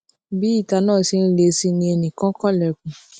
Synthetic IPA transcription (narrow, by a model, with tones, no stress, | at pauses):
bi˨˦i˦˨ta˧nãː˦˨si˧n̩˦le˧˦si˧nĩ˧ɛ˧nĩ˨kã˨˦kɔ˦˨lɛ˨kũ˨